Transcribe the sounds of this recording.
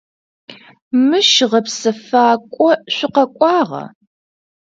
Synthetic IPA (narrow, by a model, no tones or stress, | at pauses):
mɨʃʁɐpsɐfaːkʷʼɔɕʷɪqɐkʷʼɑːʁɐ̰